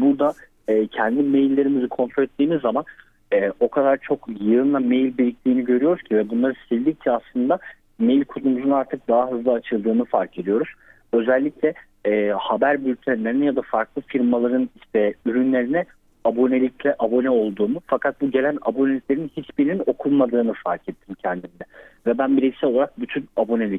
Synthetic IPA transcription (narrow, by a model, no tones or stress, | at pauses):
buɾd̪a | ɛːcʰɛnd̪imejlʲːe̞ɾimizikʰo̞nt̪ɾoet̪ːiːmizːaman | ɛːo̞kʰad̪aɾt͡ʃʰo̞kjɯnlˠamejlʲbiɾʲic̚t̪ʰʲiːniɟø̞ɾyjo̞ɾuz̥cʰivɛbunlˠaɾɯsiɾd̪ʲiccʰɛaslˠɯnd̪a | me̞jlʲkʰut̪umuzunaɾt̪ʰɯk̚d̪aɦaɦɯzlˠaːt͡ʃʰɯlˠd̪ɯːnɯfaɾcʰe̞d̪ijo̞ɾuz̥ | ø̞zælʲːiclʲɛː | habæɾbylʲt̪ʰænlʲeɾinjad̪afaɾklˠɯfiɾmalˠaɾɯniʃt̪ʰɛyɾynlʲe̞ɾinɛ | abo̞nelʲiclʲɛʔabo̞nɛo̞lˠd̪uːmufakʰat̪̚buɟe̞lʲænabo̞neiclʲe̞ɾinhit͡ʃbiɾinino̞kʰulˠmad̪ɯːnɯfaɾkʰɛt̪ʰːimcʰɛnd̪imd̪ɛvɛbænbiɾisɛolˠaɾak̚byt̪ʰynabo̞nelʲic